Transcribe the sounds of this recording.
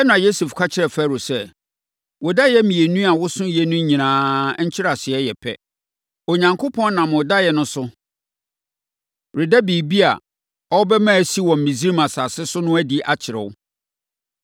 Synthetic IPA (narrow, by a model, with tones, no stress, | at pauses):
ɛ˦nʊ̃˨a˨jo˦se˨fkʰa˦t͡ɕʰɪ˦ɾɛ˨fæ˦˨ɾo˨sɛ˦ | wɔ˨da˦jɛ˦mĩ˨e˨nũ˦a˨wʊ˦sʊ̃˦jɛ˦nũ˦ɲĩ˨nãː˨˦ɲ̩˦t͡ɕʰɪ˦ɾa˨sɪ˨ɛ˦jɛ˨pʰɛ̰˦ | o˨ɲã˨ŋkʰo˦pʰɔ̃˦n˦nã˨m˨ʊ˨da˦jɛ˦nʊ̃˦sʊ˦ | ɾɪ˨dæ˦biː˨bi˦a̰˨ | ɔ˦bɛ˦mã˦˨si˦wɔ̃˨m̩˨mĩ˨zi˦i˦mã˨sa˨sɪ˦sʊ˦nʊ̃˦æ˦di˦ʔa˨t͡ɕʰɪ˨ɾɛ̰˨wʊ˦